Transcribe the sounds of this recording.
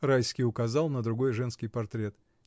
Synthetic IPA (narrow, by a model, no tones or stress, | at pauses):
rajskʲɪjʊkɐzɑlˠnəd̪ɾʊɡo̞jʐɛnskʲɪjpɐrt̪ɾʲe̞t̪